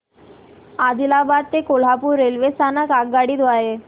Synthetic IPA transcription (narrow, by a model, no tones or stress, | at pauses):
ad̪ilabad̪̚t̪ekol̤apuɾːelʋest̪anakaɡ̚ɡaɽiːd̪aɦe